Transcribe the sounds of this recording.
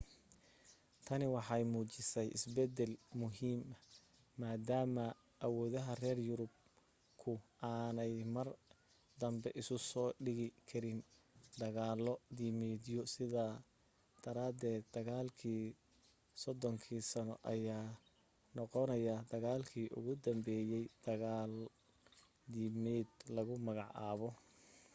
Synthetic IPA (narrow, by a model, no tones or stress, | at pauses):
t̪ʰɐnɪwɑħɑjmuːt͡ʃɪsɛjʔɪ̰sbɛd̪ɛlmʊɦiːmɐː | aːd̪aːmɐ | ʔɐwɔːðɐɦɐrɛːrjʊɾʊb | kʰʊʔaːnɛjmɐr | d̪ɐmbɛʔɪsʊsɔːɖɪɣɪkʰɐɾɪn | d̪ɐɣaːlɔd̪imɛːd̪jɔsɪða | d̪̥ɐɾaːd̪ɛːd̪̚ːɐɣaːlkʰiː | sɔd̪ɔŋkʰiːsɐnɔ̰ʔɐjaː | nɔqɔnɐjɐd̪ɐɣaːlkʰiːʔʊ̰ɣʊd̪ɐmbɛːjɛjd̪̥ɐɣaːl | d̪imɛːd̪lɐɣʊmɐɣɑʕaːβɔ